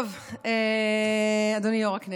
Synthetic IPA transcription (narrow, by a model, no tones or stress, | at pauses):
v | e | ad̪onijoʁakne